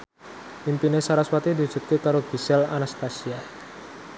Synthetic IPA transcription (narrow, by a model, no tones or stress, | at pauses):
pimpinesaɾaswat̪id̪i̤̥d͡ʒ̥ṳt̪̚kik̪aɾoɡ̥i̤sɛla̰nast̪asia